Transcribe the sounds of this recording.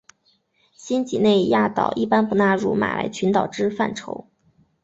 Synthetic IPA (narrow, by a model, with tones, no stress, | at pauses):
ɕi˥nt͡ɕḭ˨˩ne˥˧ɪja˥˩t̪ɑ̰˨˩ʊʔi˥˩pa˥npu˥˩na˥˧ɻṵ˥˩ma̰˨˩lʔa̰˧˥ɪt͡ɕʰy˧˥nt̪ɑ˨˩ʊʈ͡ʂɻ̩˥fa˥˩nʈ͡ʂʰo˧˥ʊ